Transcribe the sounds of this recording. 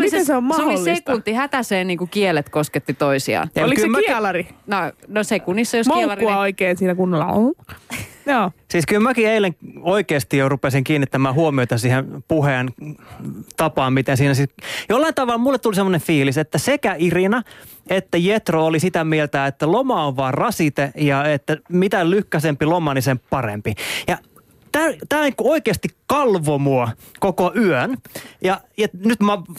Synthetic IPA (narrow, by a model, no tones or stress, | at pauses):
miseseommɑooilsːsekunt̪ːihæt̪æseːnniːŋkukielet̪kosket̪ːit̪oisiɑ̰jɑolikymiɛlɑrinonosekunisːɑjosmolɑruɑoikeːnsiːnækunːolːɑ̰o̰l | joːsiskylmækieileŋoikeːst̪ijorupesiŋkiːnːit̪ːæmæːhuomioit̪ɑsihenpuheːn | t̪ɑpɑːmmit̪ẽnsiːnæsijolːɑint̪ɑʋɑlmulːet̪t̪ulisemːonefiːliset̪ːæsekæirinɑ | et̪ːæjet̪roolisit̪æmielt̪æet̪ːælomɑoʋʋɑːrrɑsit̪ejɑet̪ːæmit̪ælyhkːæsempilomɑnisemppɑrḛmpijɑ | t̪æt̪æːnikuoikeːst̪ikkɑlʋomuɑ | kokoʔyønjɑjɑnyt̪mɑ